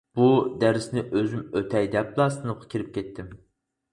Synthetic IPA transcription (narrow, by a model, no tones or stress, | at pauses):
b̥ud̪æɾɪsnɪʔøzymøt̪ʰɛjd̪ɛp̚lˠɑːst̪ɨnɨp̚qʰɑ̥kʲʰiɾɪp̚kʲʰɛt̪ʰːɪm